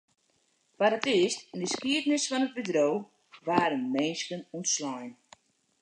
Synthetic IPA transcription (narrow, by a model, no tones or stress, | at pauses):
paɾatistɛndəskiədnɪsfɔnəd̚bədrow | ʋaːɾənmɛnskənuntslɔjn